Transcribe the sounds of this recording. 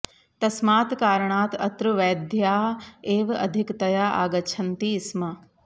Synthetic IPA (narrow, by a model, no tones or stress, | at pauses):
t̪ɐsmaːt̪kaːɾəɳaːt̪ɐt̪ɾuʋɛːd̪ʱjaːeːʋɐ̰d̪ʱɪkt̪ɐjaːʔa̰ːɡɐt͡ʃʰɐnt̪iːsmɐ